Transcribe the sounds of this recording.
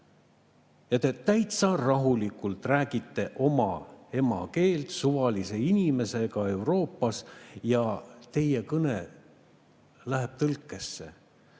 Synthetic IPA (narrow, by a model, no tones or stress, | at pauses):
jɑt̪e̞t̪æjt̪sɑrɑɦulikːˑult̪ræːɡ̥it̪ːe̞ʔo̞mɑ̰e̞mɑ̰ke̞ːlt̪suvɑlise̞inime̞se̞ɡ̥ɑe̞wɾo̞ːpːˑɑsjɑt̪e̞jekɤne̞ | læɦeb̥̚t̪ɤlkːˑe̞sːe̞̰